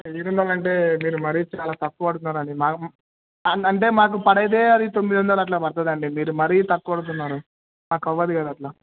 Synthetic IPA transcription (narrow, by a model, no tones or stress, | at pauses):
iɾund̪aːlɐɳʈe̞ːmiːɾumɐɾiːt͡ʃaːlaːt̪ɐkːuʋɐɽut̪unːaːɾɐɳɖimaːk | ɐɐɳʈ̬e̞ːmaːk̬upɐɽɐjɐd̪e̞ːɐd̪it̪o̞mːid̪ʋɐnd̪ɐlɐʈ̬laːpɐɾt̪̬aːd̪iɐɳɖimiːɾumɐɾiːt̪ɐkːuʋɐɽut̪̬unːaːɾu | maːkɐʋːɐd̪ikɐd̪aːʈlaː